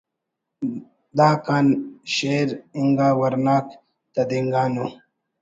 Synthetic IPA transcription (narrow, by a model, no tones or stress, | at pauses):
d̪aːkaːnɕeːɾiŋɡaːwɐɾnaːk | t̪ɐd̪iŋɡaːnu